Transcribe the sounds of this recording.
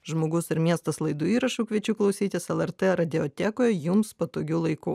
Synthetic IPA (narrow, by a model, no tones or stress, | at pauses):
ʒmoːɡʊsɪɾmʲiɛst̪ɐslˠɐɪd̪uːiːɾɐʃuːkʲʋʲiɛt͡ʃʲuːklˠɔʊsʲiːt̪ʲɪsɛlˠɛɾt̪ɛɾɐd̪ʲɪot̪ʲækoːjɛjʊmspɐt̪oːɡʲuːlˠɐɪkuː